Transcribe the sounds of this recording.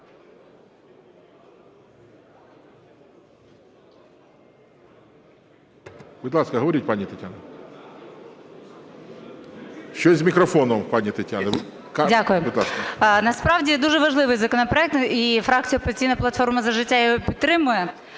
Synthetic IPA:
bɪt̪lˠɑskɐɦɐʋɐɾit̚ʲpanʲit̪ɐtʲanɐ | ʃt͡ʃɔzʲmʲikɾɐfɔnɔmpanʲit̪ɐtʲːanɐ | kdʲakʊjʊbɪt̪lˠaskɐnɐspɾɑʋdʲid̪uʒɛʋɐʒlˠɪʋɨɪjzɐkɔnɔpɾɔɛk̚t̪ifɾɑk̚t͡sʲijʊɔpʲzʲtt͡sʲijnɐplˠɐt̪fɔrmɐzɐʒɪtʲːajɔɦɔpʲit̪ːɾɪmʊjɛ

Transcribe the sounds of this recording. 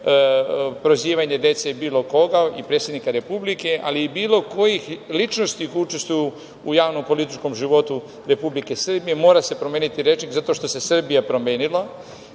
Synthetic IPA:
pɾo̞ziːʋaɲe̞d̪e̞t̪seibiːlo̞ko̞ɡaḭpɾet̪sʲjed̪nikaɾe̞publike̞ʔa̰liːbiːlˠo̞ko̞jixlit͡ʃno̞st̪ikut͡ʃe̞st̪uju | ujaːʋno̞mpo̞lit̪i̥t͡ʃko̞mʒiʋo̞t̪u | ɾe̞publike̞sr̩bije̞mo̞ːɾase̞pɾomenit̪iɾet͡ʃnikzat̪o̞ʃt̪o̞se̞sr̩bijapɾo̞me̞ːnilˠa

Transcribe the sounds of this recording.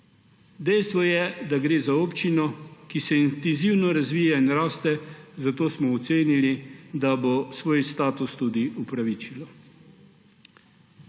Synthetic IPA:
d̪ɛjst̪ʋɔjɛd̪aɡɾeːzaoːpt͡ʃinɔkisɛint̪ɛnziwnɔɾazʋiːjainɾaːst̪ɛzat̪oːsmɔɔt̪seːnilid̪abosʋoːjst̪aːt̪ust̪ud̪iupɾaʋiːt͡ʃilɔ

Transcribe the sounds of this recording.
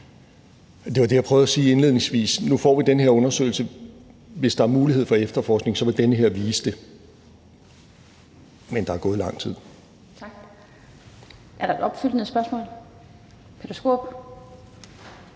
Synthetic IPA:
d̥e̝ʋɑd̥e̝jɑ̈pʰʁœːʊð̩ˠæsiːe̝nle̝ð̰ˠne̝ŋsʋḭːsnufɒ̰ːʋid̥enəɦeɐ̰ɔ̽nɐsø̰ɪl̩sə | ʋe̝sd̥ɑ̈æɐmuːlihe̝ð̰ˠfɒ̽efd̥ɐfɒːsɡ̥ne̝ŋsɒ̽ʋe̝ld̥enəɦe̝ɐ̰ʋiːsd̥e̝ | mend̥ɑæɐɡ̥ɔ̽ːð̞̩ˠlɑ̈ŋ̰t͡sʰið̰ˠ | ʔæɐɾ̥ɑ̈ed̥ɒ̽b̥fyl̰n̩ð̩ˠsb̥ɶɐsmɔ̰ːl | pʰe̥osɡ̥o̝̰ːb̥

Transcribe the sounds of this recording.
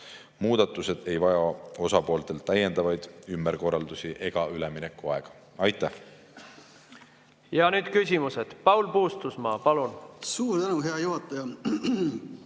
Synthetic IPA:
muːd̪̥ɑt̪ːˑuse̞d̪̥e̞jvɑjɑo̞sɑpo̞ːlt̪e̞lt̪ːæjːe̞nd̪ɑvɑjd̪̥ymbeɾko̞rːɑld̪usiʔe̞ɡ̥ɑyleminekːˑuɑeɡ̥ɑ̥ | ɑjt̪ːˑæh | jɑnyːd̪̥kysʲimused̪̥pɑuwlpuːst̪usmɑːpɑlunsuːɾt̪ænuɦeɑjuɦɑt̪ːˑɑjɑ

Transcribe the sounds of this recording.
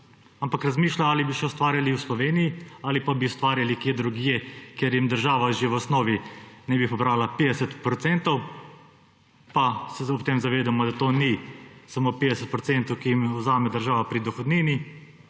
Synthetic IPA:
ampakɾazmiːʃlaaːlibiʃɛɔst̪ʋaːɾjaliwslɔʋeːnijiaːlipabiɔst̪ʋaːɾjalikjed̪ɾuɡjɛkeɾjimd̪əɾʒaːʋaʒewɔsnoːʋinɛbipɔbɾaːlapeːd̪ɛsət̪pɾɔt̪sɛnt̪ɔw | pasɛɔpt̪emzaʋeːd̪amɔd̪at̪oːnisamoːpeːd̪ɛsət̪̚pɾɔtsɛnt̪ɔwkijimɔzaːmɛd̪əɾʒaːʋapɾid̪ɔxɔd̪niːni

